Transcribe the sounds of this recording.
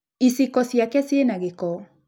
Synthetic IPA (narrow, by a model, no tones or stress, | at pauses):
isikɔsjakɛsjenaɣekɔ